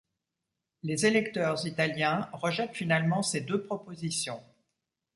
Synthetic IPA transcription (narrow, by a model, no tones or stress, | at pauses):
lezelɛkt̪œʁzit̪aljɛ̃ʁəʒɛt̪finalmɑ̃sed̪øpχɔpozisjɔ̃